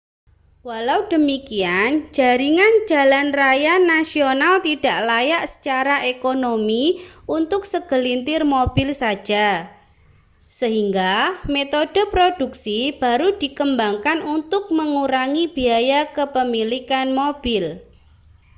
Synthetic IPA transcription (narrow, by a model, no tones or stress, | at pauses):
walaud̥ə̤mikiand͡ʒ̥a̤ɾiŋand͡ʒ̥a̤lanrajanːasionalt̪id̥a̤ʔlajaʔsə̥t͡ʃaɾaʔekonomiunt̪ʊk̚səɡ̥ə̤lint̪ɪrmob̥ɪlsḁd͡ʒ̥a | səɦiŋɡamet̪od̥ə̤pɾod̥uksib̥a̤ɾud̥i̤kəmbaŋkanunt̪ʊk̚məŋuɾaŋib̥iajakəpəmilikanmob̥ɪl